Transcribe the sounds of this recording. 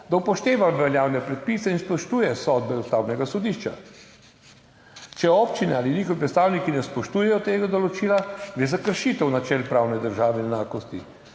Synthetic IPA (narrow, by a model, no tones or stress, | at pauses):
d̪awpɔʃt̪eːʋaʋɛljaːwnɛpɾɛt̪̚pisɛinspɔʃt̪uːjɛsɔd̪̚bɛust̪awnɛɡasɔd̪iʃt͡ʃa̰ | t͡ʃɛɔːpt͡ʃinɛaːlinixɔʋip̬ɾɛt̪st̪aːwnikinɛspɔʃt̪uːjɛjɔt̪eːɡad̪ɔlɔt͡ʃiːlaɡɾeːzakəɾʃit̪ɛwnat͡ʃɛlpɾawnɛd̪əɾʒaːʋɛɛnaːkɔst̪i